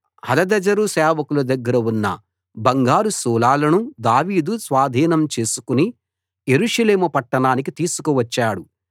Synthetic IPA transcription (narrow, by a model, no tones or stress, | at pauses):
hɐlɐd̪ɐd͡ʒɐɾusɛːʋɐkulɐd̪ɐɡːɐɾɐunːɐ̰ | bɐŋɡaːɾusuːlaːlɐnud̪aːʋiːd̪usʋaːd̪ʱiːnɐmt͡ʃe̞ːsu̥kuni | je̞ɾuʂɐleːmɐpɐʈːɐɳaːnikit̪iːsu̥kuʋɐt͡ʃːaːɽu